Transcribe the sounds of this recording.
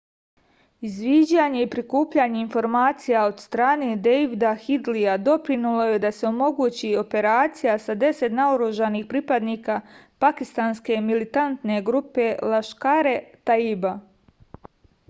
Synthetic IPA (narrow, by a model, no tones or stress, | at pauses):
izʋiːd͡ʑaɲe̞ipɾikuːpʎaɲe̞info̞ɾmaːt̪sijao̞d̪st̪ɾaːneːd̪ejʋid̪axid̪liad̪o̞pɾinulo̞je̞d̪ase̞o̞mo̞ɡuːt͡ɕio̞pe̞ɾaːt̪sijasad̪e̞se̞t̪naoɾuʒanixpɾiːpad̪niːkaːpakist̪anske̞milit̪ant̪ne̞ɡɾupe̞lˠaʃkaːɾe̞t̪aiba